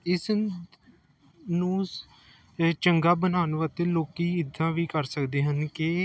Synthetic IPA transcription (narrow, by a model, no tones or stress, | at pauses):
ɪs | nũː | t͡ʃəŋɡaːbənaːnʋət̪eːloːkiːɪd̪ʱːãːʋiːkəɾsəkd̪eːɦənke